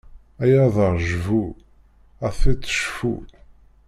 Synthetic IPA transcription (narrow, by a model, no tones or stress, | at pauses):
æjæðəʁʒvu | æθit͡sːə̥ʃfṵ